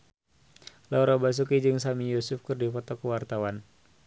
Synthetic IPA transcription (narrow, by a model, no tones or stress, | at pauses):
lauɾabas̬ukid͡ʒɨŋsamijɔsufkɨrdifɔt̪ɔkəwart̪awan